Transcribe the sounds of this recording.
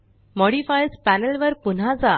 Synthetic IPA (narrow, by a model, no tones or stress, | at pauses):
mɔɽifajspænelʋəɾpun̤ad͡za